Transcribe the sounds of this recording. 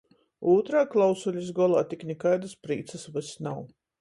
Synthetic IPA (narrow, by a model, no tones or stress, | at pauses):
uːt̪ɾaːklˠawsulʲizɡɔlˠaːt̪iknʲɛkaːd̪aspɾiːt̪səsvasnaw